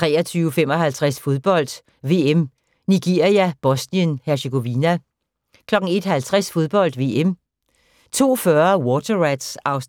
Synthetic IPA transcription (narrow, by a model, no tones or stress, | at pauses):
t͡sʰʁɛ̰ːɐt͡sʰyːʊəfem̰ɒ̽ɦælt͡sʰʁasfo̝ð̞ˠb̥ɒ̽l̰d̥ | ʋe̝em | niɡ̥e̝ɐiæb̥ɒ̽sniənhæɐɕeɡ̥o̝ʋinæ | kʰlɒ̽ɡ̥ŋ̩e̝d̥hælt͡sʰʁasfo̝ð̞ˠb̥ɒ̽l̰d̥ʋe̝̰em | t͡sʰo̝̰ːfɶɐwɔːt͡sɐʁæd̥sɑ̈ʊs